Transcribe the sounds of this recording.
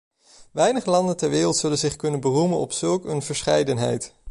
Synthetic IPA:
ʋɛjnəχəlɑndəntɛɹʋɪːrəlˠtsɵlənzɪχkɵnənbərumənɔ̰psɵlˠkənvəɹsχɛjdənɦɛ̰jt

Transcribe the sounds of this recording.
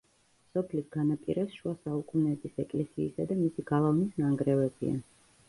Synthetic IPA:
msɔpʰlisɡanapʼḭɾɛsʃuasaukʼunɛːbisɛkʼlɛsḭːsad̪amisiɡalˠavnisnaŋɡɾɛvɛbḭa̰

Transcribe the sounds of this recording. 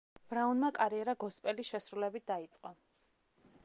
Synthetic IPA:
b̥ɾaunmakʼaɾiɛɾaɡɔspʼɛliʃɛsɾulɛbit̪̚d̪ait̪sʼqʼɔ

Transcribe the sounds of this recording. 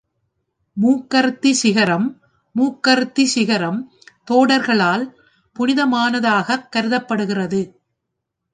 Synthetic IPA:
muːkːɐɾt̪ːisɪɣɐɾɐmː | uːkːɐɾt̪ːisɪɣɐɾɐm | t̪oːɽɐɾɣɐɭaːl | pʊnɪðɐmaːnɐðaːɣɐkːɐɾɯðɐpːɐɽɯɣɪrɐðɯ

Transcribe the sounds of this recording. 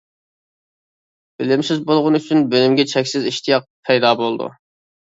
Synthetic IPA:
b̥ɪlɪmsɪzbolˠʁʊnɨyt͡ʃʰynbølymɡʲɛt͡ʃʰɛkʲsɪziʃt̪ʰijɑq̚pʰɛjd̪ɑːbolˠd̪ṵ

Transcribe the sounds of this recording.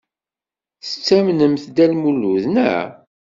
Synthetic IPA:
θət͡sːæmnəmθd̪ælmulːuðnæ̰

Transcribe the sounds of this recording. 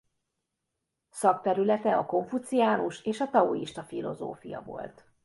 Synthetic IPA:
sɒk̚t̪ɛɾylɛt̪ɛɒko̞ɱfut̪sijaːnuʃeːʃɒt̪ɒuiʃt̪ɒfilo̞̰zo̰ːfijɒ̰vo̞̰lt̪

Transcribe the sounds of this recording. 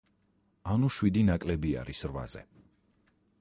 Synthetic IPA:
anuʃwid̪inakʼlɛbia̰ɾisɾva̰zɛ̰

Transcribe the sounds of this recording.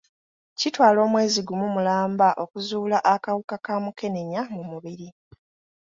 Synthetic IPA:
citwaːlo̞ːmwe̞ːziɡumumulaːmbaʔo̞kuzuːlaʔakawukakaːmuke̞ne̞ɲamumuβiɾi

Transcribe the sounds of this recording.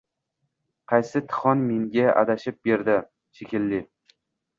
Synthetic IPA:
qʰɑjsɪt̪ʰɨ̥χɒnmeŋɡʲaʔa̰d̪aʃɪp̚be̞ɾd̪ɪ | ʃekʲɪlːɪ

